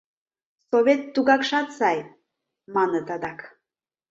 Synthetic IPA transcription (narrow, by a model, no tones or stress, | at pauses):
soβet̪ːuɣɑkʃɑt̪sɑj | mɑnət̪ɑd̪ɑk